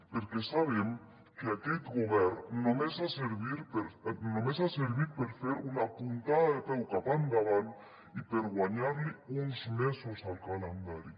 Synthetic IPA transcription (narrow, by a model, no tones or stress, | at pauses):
peɾkesaβ̞em | keaket̪ɡoβɛɾːomesaseɾβiɾpeɾnomesaseɾβiɾpeɾfeɾunapunt̪aðaðepɛwkapand̪aβan | ipeɾɣwaɲaɾliunzmesosalkalend̪aɾi